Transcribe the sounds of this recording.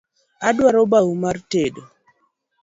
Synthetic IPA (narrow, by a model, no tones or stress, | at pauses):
adwaɾobawumartedo